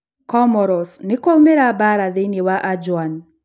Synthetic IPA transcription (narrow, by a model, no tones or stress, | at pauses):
kɔmɔɾɔsnɪkoumeɾabaɾaðɪnɪwaʔad͡ʒwan